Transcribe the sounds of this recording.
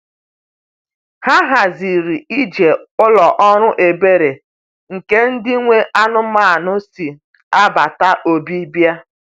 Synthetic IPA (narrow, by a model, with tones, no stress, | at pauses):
ha˦ɦa˨zi˨ɾi˨i˦d͡ʒe˨ʊ˦lɔ˨ʔɔ˦ɾʊ˦ʔe˨be˦ɾe˨ | ŋ̩˨ke˦n̩˦dɪ˦ŋʷe˦ʔa˦nʊ˦ma˦˨nʊ˦si˨ | a˦ba˨ta˦ʔo˨bi˦bja˦